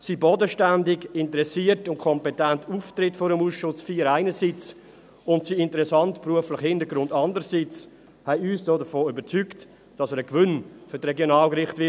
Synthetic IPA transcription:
sibodəʃtændɪɡɪntəɾɛsiːətʊnkʰɔmpɛtɛntuːftɾɪtfoːɾəmuːsʃʊsfiːəɾaɪnəsiːt͡s | ʊntsiɪntəɾɛsɑntpruəflɪχhɪndəɾɡɾʊndɑndəɾsit͡s | hɛɪyːsd̥oːdəfoːybət͡sykt | d̥ɑsəːɾəkvʏnfʏɾtɾɛɡjonɑːlkɾɪχtʋɪ

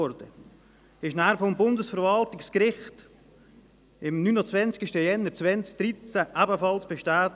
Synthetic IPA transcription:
ɔɾd̥ə | ɪʃnæːɾfɔmbʊndəsfəɾvɑltɪkskɾɪχt | ɪmnynot͡svɛnt͡skɪʃtəjɛnːəɾt͡svɛnt͡sk̚d̥ɾit͡sæʔæbəfɑlsb̥eʃtæːt

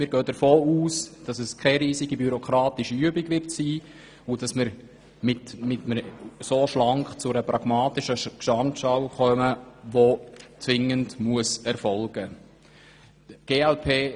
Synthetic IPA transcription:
mɪːɾɡøːd̥əɾfoːuːsd̥ɑsɛskʰɛɾiːziɡibyɾokʰɾɑːtɪʃiyəbɪɡʋɪrtsiː | ʊd̥ɑsməɾ | mɪtmɪtməsoʃlɑŋkχt͡sʊɾəpɾɑɡ̥mɑːtɪʃəkʃɑntʃɑwχœməʋot͡sʋɪŋəndmuəsɛɾfɔlɡ̥ə | ɡ̥eːɛlpʰeː

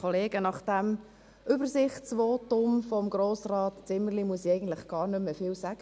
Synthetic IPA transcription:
ɔleːɡənɑχd̥æm | ʔʏbəɾsɪχtt͡sʋɔːtʊmfɔmɡɾoːsrɑːtt͡sɪmərlimuəsiɛɪɡən̩t̪lɪχɡ̥ɑːɾnʏmːəfɪlsæɡ̥ə

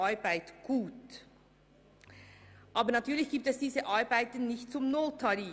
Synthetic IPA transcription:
aɾbaɪtɡ̥uːt | ʔaːbəɐnatʰyːɐlɪçɡ̥iːp̚tɛsd̥iːzəʔaɾbaɪtən̩nɪçt̚t͡sʊmnoltʰaɾiː

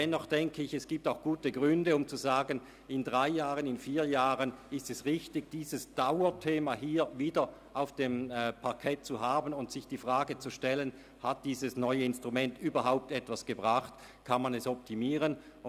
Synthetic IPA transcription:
ɛnɔχd̥ɛŋkʰəɪçɛsɡ̥iːp̚taʊxɡ̥uːtəɡʁʏndəʊmt͡suzaːɡən | ɪndʁaɪjaːʁənɪnfiːɐjaːʁənɪstɛsʁɪçtɪɡd̥iːzəsd̥aʊɐtʰeːmaɦiːɐviːdɐ | ʔaʊfd̥eːmpʰaɐkʰɛt̚t͡suɦaːbənʊntsɪçd̥iːfʁaːɡət͡suʃtɛlən | hat̚d̥iːzəsnɔʏəɪnstʁ̥umɛntyːbɐɦaʊp̚tɛtv̥asɡ̥əbʁaχt | kʰanmanɛsɔp̚tʰimiːʁən

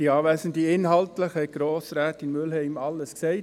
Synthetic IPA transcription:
d̥iɑːvæːsəndiɪnhɑltləχhɛɡ̥ɾoːsɾæːtɪnmʏlhɛɪmɑlːəsksɛɪt

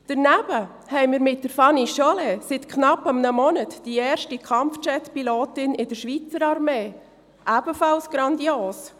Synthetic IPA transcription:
d̥əɾnæb̥ə | hɛɪmɪːɾmɪt̚dəɾfɑniʃɔlɛsɪtkʰnɑpːəmnəmɔnətd̥iɛːɾʃtikʰɑmft͡ʃɛtpiloːtɪnɪdəʃʋit͡səɾɑɾmeː | ʔæb̥əfɑlsɡ̥ɾɑnd̪ioːs

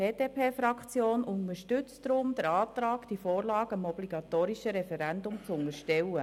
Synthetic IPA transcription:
eːdeːpʰeːfɾɑkχt͡sjoːnʔʊnəɾʃtʏt͡stɾʊmd̥əɾɑːt̪ɾɑːkd̥ifoːɾlɑːɡəəmɔbliɡ̥ɑt̪oːɾiʃəɾɛfɛɾɛnd̪ʊmt͡sʊnəɾʃtɛwə

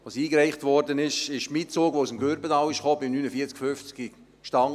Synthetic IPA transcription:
ʋosiːkɾɛɪχtʋɔɾdənɪʃɪʃmit͡soːɡʋoːusmɡøɾbətɑːwɪʃχoːbimnyːnəfiət͡skfʏft͡ski | ʃtɑŋ

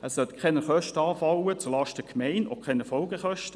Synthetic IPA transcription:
ɛssœtkʰɛnəχœʃtəɑːfɑwət͡sʊlɑːʃtəkʰmɛɪno̰kʰɛnəfɔlɡəχœʃtə

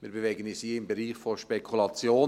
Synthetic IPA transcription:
mɪːɾbevɛɡənisiːɪmbeɾiːχfoʃpekʰulɑt͡sjoː

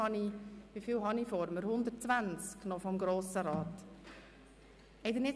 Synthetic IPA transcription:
ɑniʋifiːlɦɑnifɔɾməɾhʊnd̪ətt͡svænt͡sknɔfɔmɡɾoːsəɾɑːt | ɛɪd̪ənɪ

